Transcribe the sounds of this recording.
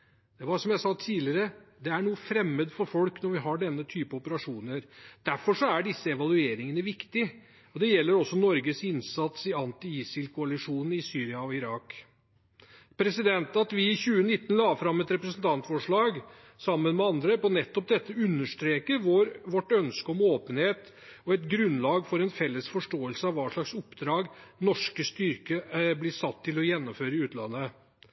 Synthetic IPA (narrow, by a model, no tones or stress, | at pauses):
d̪̥ɛʋɑsɔmjæɪsɑt̪ʰiːlɪəɾəd̪ɛæɳuːəfɾɛmːəd̪fɔɾfɔlknɔɾʋɪɦɑɖɛnːət̪ʰyːpəɔpəɾɑʂuːnəɾd̪̥æɾfɔʂɔæɖɪsːəɛʋɑlʉeːɾɪŋənəʋɪkt̪ɪ | ɔd̪ɛjɛlːəɾɔsːɔnɔɾɡəsɪnsɑt̪sɪɑnt̪ɪiːsɪlkʰʊɑlɪʂuːnɪsyːɾɪɑɔɪɾɑːk | pʰɾɛsɪd̪ɛnt̪ɑt̪ʋɪːçʉːənɪt̪ːənlɑːfɾɑmːɛt̪ɾɛpɾəsənt̪ʰɑnt̪fɔʂɭɑːɡ | sɑmːənmɛɑnd̪ɾəpɔnɛt̪ːɔp̚d̪ɛt̪ːəʉnːəʂt̪ɾeːkəɾʋɔɾʋɔʈːœnskəɔmoːpənheːt̪ | ɔɛt̪ɡɾʉnlɑːɡfɔɾɛnfɛlːəsfɔʂʈoːəlsəɑʋɑːʂɭɑksʊpd̪ɾɑːɡnɔʂkəst̪ʏɾkəblɪsɑt̪ʰːɪlɔjɛnːɔmføːɾəɪʉːt̪lɑ̰nːə